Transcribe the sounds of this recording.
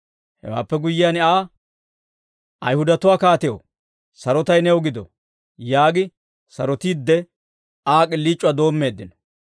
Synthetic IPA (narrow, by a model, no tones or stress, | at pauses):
hɛ̰wa̰ːpːɛɡʊjːɪjanɪaː | ʔɐjhʊd̪ɐt̪ʊwaːkaːt̪ɛjo̰ | sɐɾɔt̪ɐjnɛɔɡɪd̪ɔ̰ | jaːɡɪ | sɐɾɔt̪iːd̪ːɛ | aːkʼɪlːiːt͡ʃʼːʊwad̪o̞ːmːe̞ːd̪ːɪnɔ̥